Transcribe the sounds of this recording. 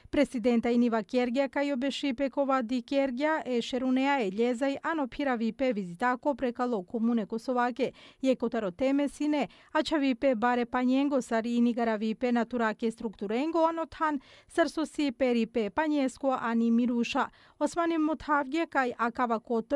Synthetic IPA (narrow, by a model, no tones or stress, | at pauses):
pɾesid̪ent̪ainiʋakeɾɡiakajobeʃipekoʋad̪ikeɾɡjaʔeʃeɾuneaeʎezajʔanopʰiɾaʋipeʋizit̪akopɾekalˠokomunekosoʋakejekot̪aɾot̪emesine | at͡ʃaʋipebaɾepaɲeŋɡosaɾiniɡaɾaʋipenat̪uɾakest̪ɾukt̪uɾeŋɡoanot̪ʰhansəɾsosipeɾipepaɲeskoʔanimiɾuʃa | osmanimot̪havɡakajʔakaʋakot̪